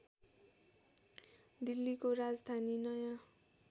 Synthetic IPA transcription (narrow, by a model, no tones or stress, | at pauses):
d̪ilːikoɾad͡zd̪ʱaninʌjã